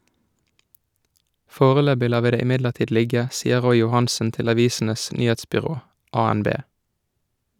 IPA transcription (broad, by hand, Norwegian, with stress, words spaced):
ˈfoːʁəˌløːbɪ ˈlɑː ˈʋiː ˈdeː ˌɪˈmɪdləʁˌtiːd ˈlɪɡə ˈsiːə ˈʁɔʏ jʊˈhɑnsən ˈtɪl ɑˈʋiːsn̩əs ˈnyːheːtspʏˌʁoː ʔɑːænˈbeː